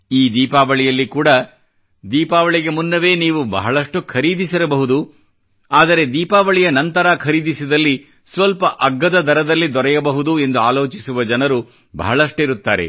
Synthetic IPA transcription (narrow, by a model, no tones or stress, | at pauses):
iːd̪iːpaːʋɐɭijɐlːikuːɽɐ | d̪iːpaːʋɐɭiɡemunːɐʋe̞ːniːʋubɐ̰ɦɐɭɐʂʈukʰɐɾiːd̪isiɾɐbɐɦud̪u | aːd̪ɐɾe̞d̪iːpaːʋɐɭijɐnɐnt̪ɐɾaːkʰɐɾiːd̪isid̪ɐlːi | sʋɐlpɐʔɐɡːɐd̪ɐd̪ɐɾɐd̪ɐlːid̪ɔɾɛjɐbɐɦud̪ue̞nd̪uaːlo̞ːt͡ʃisuʋɐd͡ʒɐnɐɾu | bɐ̰ɦɐɭɐʂʈuiɾut̪ːaːɾe̞̰